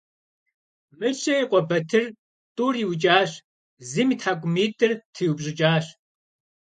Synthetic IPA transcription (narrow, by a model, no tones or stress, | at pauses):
mɨɕʼɐiqʷʼɔbɐtʰɨr | tʼuːriwt͡ʃʼaːɕ | zɨmitħaɡʷʼʊmiːtʼɨrtʰɨjubʑɪt͡ʃʼaːɕ